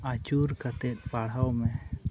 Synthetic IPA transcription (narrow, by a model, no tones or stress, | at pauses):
at͡ʃuɾkat̪et̪̚paɽ̤awmɛ̃